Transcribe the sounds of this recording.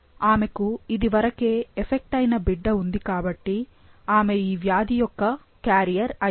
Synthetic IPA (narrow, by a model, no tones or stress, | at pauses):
aːme̞kuid̪iʋɐɾɐke̞ːefʰek̚ʈɐjnɐbiɖːɐund̪ikaːbɐʈːi | aːme̞iːʋjaːd̪ijɔkːɐ | kjaːɾijɐɾɐ